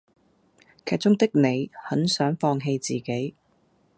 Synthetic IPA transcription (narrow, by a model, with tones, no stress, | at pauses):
kʰɛː˧˩t͡sʊ˥ŋt̪ɪ˥k̚ne˨˧jhɐ˨˥nsœː˨˥ŋfɔː˧ŋɦe˧jt͡siː˨ke˨˥j